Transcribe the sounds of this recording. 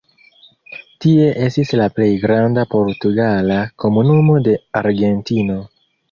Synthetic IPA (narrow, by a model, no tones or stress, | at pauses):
tie̞ʔe̞stislaple̞jɡɾandapo̞ɾtuɡalako̞munumo̞de̞aɾɡe̞ntino̞